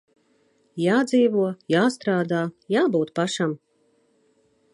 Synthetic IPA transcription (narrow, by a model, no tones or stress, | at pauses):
jaːd̪ziːvuɔjaːst̪ɾaːd̪aːjaːbuːt̪paʃam